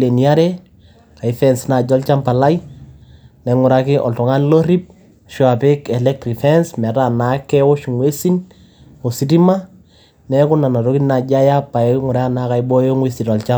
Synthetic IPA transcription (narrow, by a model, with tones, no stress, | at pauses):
le˨ni˨a˦ɾɛ | ka˨i˨fɛnsna˨ɟɔ˦lt͡ʃa˦mpa˨la˦j | nɛ˨ŋʊ˨ɾakɪ˦ʔɔ̰˨ltɔ˨ŋa˦nlo˦ɾi˦p̚ | ʃwa˨pɪ˦kɛ˨lɛk̚tɾi˨fɛnsmɛ˨ta˨na˦kːɛ˦wo˦ʃu˨ŋwe˦si˦n | o˨si˦ti˦ma | nɛ˦kʊ˦na˨na˨ɾo˦ki˦nna˨ɟa˦ja˦pːa˨ɛŋʊ˨ɾa˦ana˨ka˨jbɔ˦jo˦ŋwe˦si˨tɔ˨lt͡ʃa